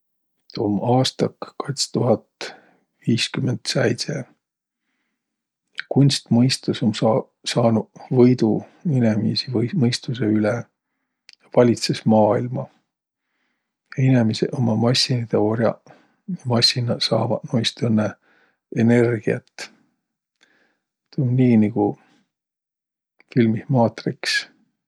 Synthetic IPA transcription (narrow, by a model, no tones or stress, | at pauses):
t̪omɑːst̪ɑkkɑjt̪st̪uɦɑt̪ | viːskymend̪̥sejt̪se | kunʲst̪mɤjst̪usomsɑ | sɑːnuvɤjd̪̥uinemḭsivmɤjst̪useylɛ | vɑlʲit̪sesmɑːilmɑ | jɑinemiseʔomɑmɑsʲːinid̪̥eo̞ɾjɑ̰ | mɑsʲinɑsɑ̰ːvɑnojst̪enːe | ene̞rɡ̥iɑ̰t̪ː | t̪nniːniɡ̥u | filmismɑːt̪riks